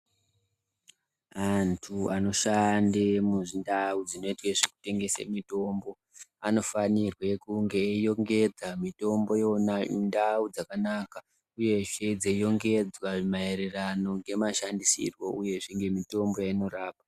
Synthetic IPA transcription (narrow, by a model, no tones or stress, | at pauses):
antʰuano̞ʃandemuʐindaud͡zino̞itweʐeku̥te̞ŋɡe̞sḛmito̞mbo̞ | ano̞fanirwe̞kuŋɡejo̞ŋɡe̞d͡zamito̞mbo̞jonandaud͡zakanaka | uje̞ʐe̞d͡zejo̞ŋɡe̞d͡zwaʐmaeɾerano̞ŋɡe̞maʃandisḭrwo̞uje̞ʐeŋɡe̞mito̞mbo̞jaino̞ɾaːpa